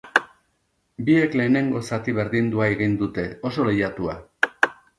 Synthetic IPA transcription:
bie̞kle̞ːne̞ŋɡo̞sat̪iβe̞ɾðind̪uaeɣ̞ind̪ut̪e̞o̞so̞lejat̪ua

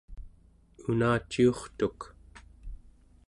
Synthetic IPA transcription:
unaːt͡ʃːio̞χt̪uk

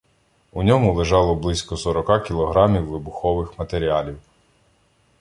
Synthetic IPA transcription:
unʲɔmʊlˠeʒɑlˠɔblˠɪsʲkɔsɔɾɔkɑkʲilˠɔɦɾɑmʲiwːɪbʊxɔʋɪxmɐt̪eɾʲiɑlʲiw

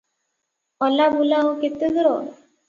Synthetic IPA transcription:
ɔlabulaɦoket̪ed̪ɾɔ

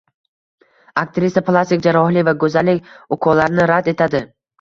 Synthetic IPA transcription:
akt̪ɾisʲaplˠast̪ɪkʲd͡ʒaɾɒhlɪvaɡɵzalːɪkʲʊqʰɒlaɾnɪɾad̪e̞t̪ʰad̪ɪ

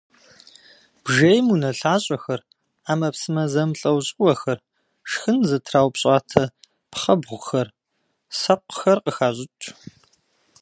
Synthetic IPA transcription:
b̥ʒejmunɐɬaːɕʼɐxɐr | aːmɐpsɨmɐzɐmɬʼɐwɕʼɪwɐxɐr | ʂxɨnzɐtʰraːwpɕʼaːtʰɐ | pχɐbʁʷxɐr | sɐqʷxɐrqʼəxaːʑʼɪtʷʼʰ

